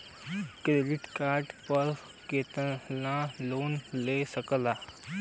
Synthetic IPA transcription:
kɾelɪʈkaːɾʈpəɾ | keːt̪əlãːloːnleːsəkəlaː

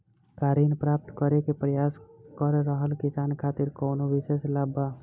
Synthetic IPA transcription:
kaɾinpɾap̚t̪kəɾekepɾəjaskəɾːəɦəlkisankʰat̪iɾkənoʋiseslaba

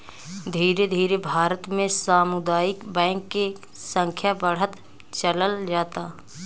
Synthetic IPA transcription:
d̪ʱiːɾed̪ʱiːɾebʱaːɾət̪mẽsaːmʊd̪aːjɪkbɛ̃ːŋkːe | sə̃ŋkʰjabəɽ̤ət̪ | t͡ʃələld͡ʒaːt̪aː

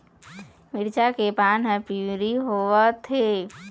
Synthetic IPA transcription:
mɪɾt͡ʃakepaːnɦə̃piɾiɦoət̪ʰe

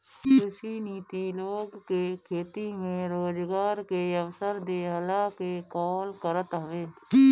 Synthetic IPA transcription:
ʊsiniːt̪iloːɡkekʰeːt̪imẽɾoːd͡ʒɡaːɾkeəwsəɾd̪eːɦəlakekɔːlkəɾət̪ɦəʋeː

